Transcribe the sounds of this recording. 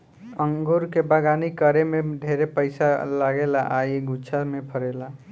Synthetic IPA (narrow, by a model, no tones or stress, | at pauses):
əŋɡuɾkebaɡanikəɾemeɖʱeɾepəɪsalaɡelaʔaiɡʱut͡ʃʰamepʰəɾela